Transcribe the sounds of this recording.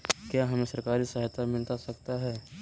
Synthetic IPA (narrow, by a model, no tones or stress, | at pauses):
kjaɦɐmẽsɐɾkaːɾisaɦt̪amɪlt̪asɐkt̪aɦɛː